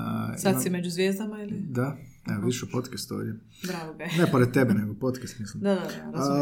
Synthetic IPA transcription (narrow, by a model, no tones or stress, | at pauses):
sat̪simed͡ʑuzʋjeːzd̪amailid̪a | eʋiʃepot̪kest̪o̰ʋd̪ʲje | bɾaɡoenepoɾed̪̚t̪ebeneɡopot̪kest̪mislimd̪ad̪a